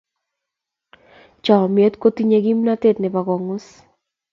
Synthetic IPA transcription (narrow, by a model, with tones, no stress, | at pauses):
t͡ʃa˨me˦t̪ko˦t̪i˦ɲe˧ɣi˦mna˦te˦t̪̚nɛ˨pa˨ɣɔ˨ŋʊ˦s